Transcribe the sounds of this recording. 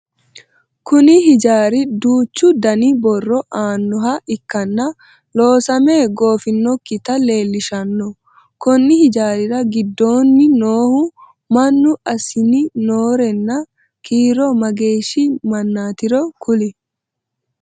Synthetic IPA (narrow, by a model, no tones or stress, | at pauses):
kʊnɪɦɪd͡ʒaːɾɪd̪uːt͡ʃːʊd̪ɐnɪbɔrːɔʔaːnːʊɦɐʔɪkːɐnːɐ | lo̞ːsɐme̞ːɡo̞ːfɪnːɔkːɪt̪ɐle̞ːlːɪʃɐnːɔ | kɔnːɪhɪd͡ʒaːɾɪɾɐɡɪd̪ːo̞ːnːɪnoːhʊ | mɐnːʊɐsɪnɪnoːɾɛnːɐ | kiːɾɔmɐɡe̞ːʃimɐnːaːt̪ɪɾɔkʊlɪ